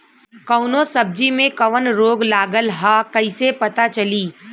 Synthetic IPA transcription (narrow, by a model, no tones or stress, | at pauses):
kɐʊnõsɐb̚d͡ʒimẽkɐʋənɾoːɡlaːɡəlɦaːkɐɪsepɐt̪at͡ʃɐliː